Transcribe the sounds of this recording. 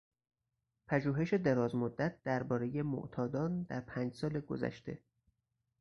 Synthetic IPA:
pʰæʒuːɦe̞ʃe̞d̪eɾɒːzmod̪ːæt̪̚d̪̥æɾbɒːɾe̞je̞mo̰ʔt̪ʰɒːd̪ɒːnd̪æɾpʰæːnd͡ʒsɒːleɡo̰zæ̰ʃt̪e̞̰

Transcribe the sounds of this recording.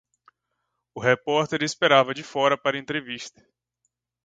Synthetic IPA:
ʊɦepɔɾt̪eɾespeɾavɐd͡ʒɪfɔɾɐpaɾɐẽnt̪ɾeviʃt̪ɐ̥

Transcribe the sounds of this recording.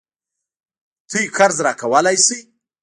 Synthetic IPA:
t̪ʰujxaɾzɾɑkawəlajsi

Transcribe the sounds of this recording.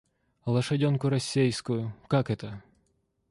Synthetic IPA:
lˠɐʃɐdʲɔnkʊɾɐsʲːɛjskʊjʊkakɛt̪ɐ

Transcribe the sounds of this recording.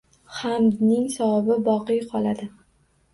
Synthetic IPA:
hamd̪nɪŋsawabɪbɒqɨjqʰɒlˠad̪ɪ

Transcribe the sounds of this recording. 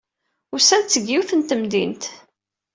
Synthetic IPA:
ʊsænt͡sːəɡːiwθənt̪əmd̪int̪

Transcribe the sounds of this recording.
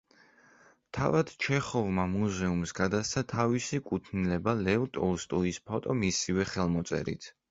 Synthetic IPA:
t̪ʰavad̪̥t͡ʃʰɛχɔvmamuzɛumsɡad̪ast̪sʰat̪ʰavisikʼut̪ʰnilɛbalɛvt̪ʼɔst̪ʼuispʰɔt̪ʼɔmisivɛχɛlˠmɔt̪sʼɛ̰ɾḭt̪ʰ

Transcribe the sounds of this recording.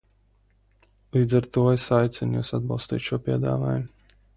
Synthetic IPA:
lˠiːd̪zaɾt̪uɔesajt̪sʲɛnjṵsad̪̚bɑlˠst̪ḭːt̪ʃuɔpʲiɛd̪a̰ːva̰ːjum

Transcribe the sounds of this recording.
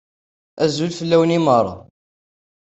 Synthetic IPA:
æzulfəlːæwnimərˤːɑ̰

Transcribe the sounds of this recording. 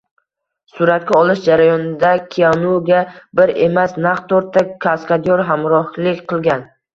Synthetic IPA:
sʊɾat̪̚kʲaɒlˠɪʃd͡ʒaɾajɒnɪd̪akʲʰijanuɡʲabɪɾe̞masnaqt̪ʰːɒɾt̪ʰːakʲʰaskʲad̪ijɒɾɦamɾɒhlɪkʲqɨlˠɡʲan

